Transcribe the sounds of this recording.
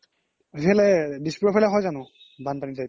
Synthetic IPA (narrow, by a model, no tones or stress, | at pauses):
ɦɛlɛdispɹɔpʰajlɛɦɔjzanʊ̃ | banpaniza